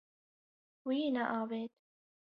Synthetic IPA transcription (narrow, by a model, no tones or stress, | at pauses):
wiːnaʔaːveːt̪